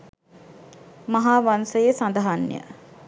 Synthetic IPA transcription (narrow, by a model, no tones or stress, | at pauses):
maɦaːʋansəjesand̪aɦanːjə̰